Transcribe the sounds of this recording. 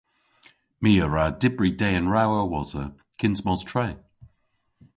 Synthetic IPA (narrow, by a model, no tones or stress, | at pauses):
miːəɹaːdɪbɹideːənɹawəwɔzə̰ | kʰɪnsmɔztʰɹɛː